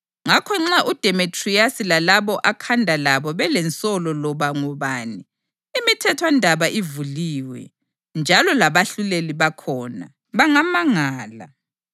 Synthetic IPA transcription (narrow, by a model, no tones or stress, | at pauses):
ŋakʰɔŋ͡ǁaʔud̥ʱɛmitʰʼriasilalaβɔʔakʰandʱalaβɔβɛlɛnt͡sʼɔlɔlɔβaŋɔβaːni | imitʰɛtʰwandʱaβaʔivuliːwɛ̰ | nd͡ʒʱalɔlaβaɬuleliβakʰɔːna̰ | βaŋamaŋaːla̰